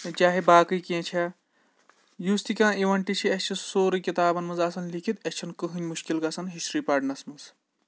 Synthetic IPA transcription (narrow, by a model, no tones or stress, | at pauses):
d͡ʒaːɦibaːkɨkẽːt͡ʃʰa | just̪ikãːiʋɐɳʈit͡ʃʰiɐst͡ʃʰisoːɾɨkit̪aːbɐnmɐzɐsɐnlikʰit̪ɐst͡ʃʰɐnkɨɦɨnʲmuʃkilɡɐsɐnɦiʃɾipɐɖnɐsmɐz